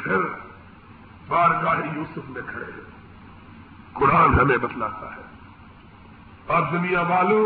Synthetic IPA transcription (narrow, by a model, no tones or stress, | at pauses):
pʰɪɾ | baːɾkaːɦejuːsʊfʰnekʰɐɽḛɦɛ | kʊɽaːnɦɐmẽbɐt̪laːt̪a̰ɦɛː | ɐbzɐmijaʋaːlõ